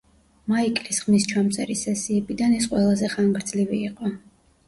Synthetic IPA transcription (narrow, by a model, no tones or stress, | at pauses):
maikʼlisχmist͡ʃʰwamt̪sʼɛɾisɛsiɛbid̪anɛsqʼwɛlˠazɛχaŋɡɾd̪zliviːqʼɔ